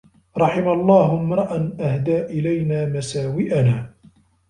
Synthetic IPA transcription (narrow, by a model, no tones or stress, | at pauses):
ɾˤɑħɪmalˤːɑːhmɾˤɑʔanʔahd̪aːʔɪlajnaːmasaːwɪʔanaː